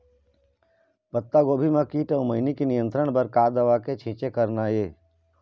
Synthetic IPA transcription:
pət̪ːaɡoːbʱimãkiːʈəməɪnikinɪjə̃nt̪ɾəɽ̃bəɾkaːd̪əʋaket͡ʃʰĩːt͡ʃekəɾnajeː

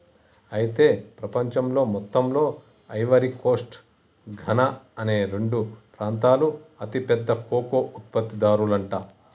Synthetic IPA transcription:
ɐjit̪e̞ːpɾɐpɐɲt͡ʃɐmlo̞ːmɔt̪ːɐmlo̞ː | ɐjʋɐɾiko̞ːsʈ | ɡʱɐnɐɐne̞ːɾe̞ɳɖupɾaːnt̪aːluɐt̪ipɛd̪ːɐkoːkoːʔut̪̚pɐt̪ːid̪aːɾulɐɳʈaː

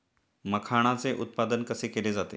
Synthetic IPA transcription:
məkʰaɽ̃at͡seʔut̪̚pad̪ənkəsekeled͡zat̪ḛ

